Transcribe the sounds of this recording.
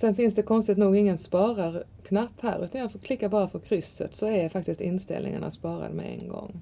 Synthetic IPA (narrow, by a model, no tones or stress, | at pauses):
sɛnfɪnsd̪ɛkʰɔnst̪ɪt̪nuːɡɪŋːənspɑːɾaɾkʰnɑpːhæ̰ːɾʉːt̪njɑfɔkʰlɪkːaɾbɑːɾəfɔɾkʰɾʏsːə̰t̪sɔɛdfak̚t̪ɪskt̪ɪnst̪ɪ̰lnɪ̰ŋəna̰spɑːɾa̰d̪mɛ̰ɛnɡɔ̰ŋː